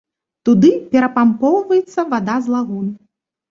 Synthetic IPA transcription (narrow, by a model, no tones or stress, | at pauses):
t̪ud̪ɨpʲɛɾɐpampɔwvɐjɛt̪sːɐvad̪azlˠaɣun